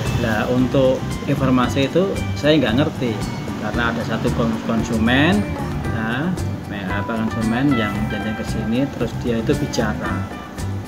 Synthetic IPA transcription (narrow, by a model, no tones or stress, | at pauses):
launt̪ʊʔ | infɔrmasiːt̪usajaŋɡaŋərt̪i | karnaːda̤sat̪ukɔkɔnsumɛn | amɛapakɔnsumɛnjaŋjanaŋkəsinit̪əɾʊsd̥ijait̪ub̥i̤t͡ʃaɾa